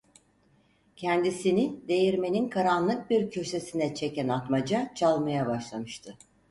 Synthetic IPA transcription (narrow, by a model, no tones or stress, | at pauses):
cʰɛnd̪isinid̪e̞jiɾme̞ninkʰaɾanlˠɯk̚biɾcʰø̞se̞sinɛt͡ʃʰe̞cænat̪mad͡ʒat͡ʃʰalˠmajabaʃlˠamɯʃt̪ʰɯ